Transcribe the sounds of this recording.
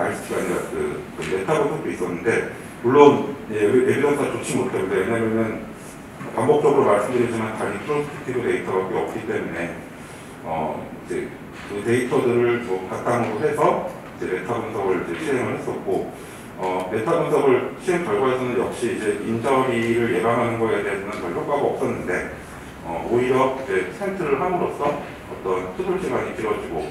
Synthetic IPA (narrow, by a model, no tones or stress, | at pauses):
ais͈ɯ̥tʰiɡaɲiɾakɯ̰kɯne̞tʰabonsʰʌk̚t͈ois͈ʌnːɯnde̞ | muɭːoneebidʌsʰɯat͡ɕot͡ɕʰimotʰaɡɯdejeɲamjʌnɯn | pambok̚t͡ɕ͈ʌɡɯɾomaɭs͈ɯmdɯɾjid͡ʑimankaɾipʰɯɾosʰɯ̥tʰi̥tʰidote̞itʰʌbak͈eʌp̚k͈it͈e̞mune̞ | ʌ̰id͡ʑe̞̰ | kɯte̞itʰʌdɯɾɯɭmʌkat͈anaɡoɦe̞sʰʌ | id͡ʑe̞ne̞tʰabɯnsʰʌɡɯɭid͡ʑe̞ɕʰiɦe̞ŋɯɭhe̞s͈ʌt̚k͈o | ʌne̞tʰabɯnsʰʌɡɯɭɕʰiɦe̞ŋkaɭɡwaɦesʰʌnɯnjʌk̚ɕ͈iːd͡ʑe̞ind͡ʑʌɾiɾɯɭje̞baŋɦanɯnɡʌede̞ɦesʰʌnɯnkʌɭpʰok͈aɡaʌp̚s͈ʌnːɯnde̞ | ʌ̰ʔoiɾjʌid͡ʑe̞sʰeɭtʰɯɾɯɭɦamɯɾos͈ʌ | ʌ̰t͈ʌnsʰubuɭt͡ɕ͈ʰiɡaɲikiɾwʌd͡ʑiɡo